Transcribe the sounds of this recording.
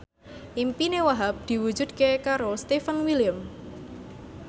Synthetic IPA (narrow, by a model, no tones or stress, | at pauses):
ʔimpinewaɦap̚d̪̥i̤wu̥d͡ʒṳd̪̥̚kekaɾost̪efənwilijəm